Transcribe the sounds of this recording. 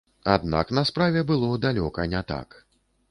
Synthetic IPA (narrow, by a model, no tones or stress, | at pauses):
a̰d̪na̰knɐspɾavʲɛbɨlˠɔd̪alʲɔkɐnʲɛt̪a̰k